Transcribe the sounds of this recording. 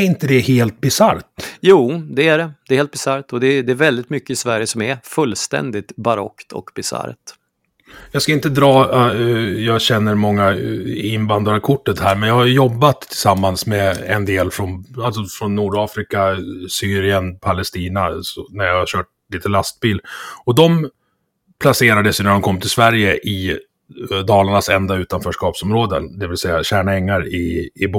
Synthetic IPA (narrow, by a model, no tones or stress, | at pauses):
ɾɪnt̪əd̪ɛheːlt̪̚bɪsaɾt̪juːd̪ɛæɖɛd̪ɛɾheːlt̪̚bɪsaɾt̪ɔd̪ɛd̪ɛːɾvɛld̪ɪt̪mʏkːəɪsvæɾjəsɔmæɾfɵlːst̪ɛ̰nd̪ɪt̪baɾɔ̰kt̪ʰɔ̰kbɪsa̰ɾt̪ | jɑːɡskaɪnt̪əd̪ɾɑː | jɑːɡɕɛnːəɾmɔŋːaɪnvand̪ɾakʰʊʈːət̪hæːɾmɛnjɑːhajɵjɔbːat̪ʰːɪsamːansmɛɛ̰nd̪eːlfɾɔnalt̪sɔfɾɔnːuːɖɑːfɾɪkasyːɾɪənpʰalɛst̪iːnasɔnæɾjahaɕœːʈ̚ | liːt̪əlast̪̚biːld̪ɔd̪ɔm | pʰlaseːɾad̪əsjɵnæɖɔmkʰɔmːt̪ʰɪlsvæɾjəʔɪ | d̪ɑːlaɳasɛnd̪aʉ̟ːt̪anfœːʂkɑːpsɔmɾoːd̪ə̰nd̪ɛvɪlsɛjːaɕæːɳɛŋːaɾɪːb